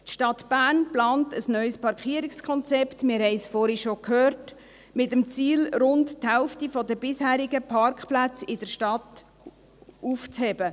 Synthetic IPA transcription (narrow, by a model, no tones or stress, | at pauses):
tʃtɑtb̥æːnplɑːntəsnœʏspɑɾkχiːəɾɪkskʰχɔnt͡sɛptmɪɾhɛɪsfɔːɾiʃokhøːrt | mɪtəmt͡siːlɾʊntthɛʊftifɔdəbɪshæːɾiɡəpʰɑrkχplæt͡sɪdəɾʃtɑt | uft͡shɛbə